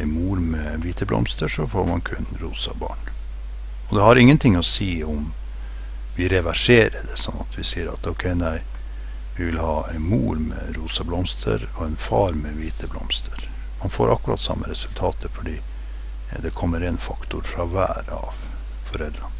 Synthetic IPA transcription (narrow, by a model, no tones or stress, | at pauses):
ɪmuːɾmɛʋiːt̪ʰəblʔɔ̰mst̪əʂɔfoːɾmɑnkʰʉnɾuːsɑbɑ̰ːɳ | ɔd̪ɛhɑɾɪŋːənt̪ʰɪŋːɔsiːʊm | ʋɪɾɛʋæʂeːɾəd̪ɛsɔnːɑt̪ʰʋɪsiːəɾɑ̰t̪ɔʊkʰɛɪnæɪ | ʋɪʋɪlhɑːæɪnmuːɾmɛ̰ɾuːsɑblɔmst̪ʰə̰ɾɔɛnfɑːɾmɛʋiːt̪ʰəblɔ̰mst̪ʰəɾ | mɑnfoːɾʔɑkʉɾɑ̰ːt̪sɑ̰mːəɾɛsʉlt̪ʰɑːt̪ʰəfɔɖiː | d̪ɛkʰɔmːəɾɛnfɑkt̪ʊɾfɾɑʋæ̰ːɾɑ̰ʋ | fɔɾɛlɾɑn